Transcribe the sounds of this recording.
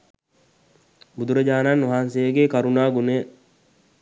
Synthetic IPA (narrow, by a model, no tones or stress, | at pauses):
bʊd̪ʊɾɐd͡ʒaːnaːnːʊɦaːnseːɡeːkɐɾunaːɡʊneː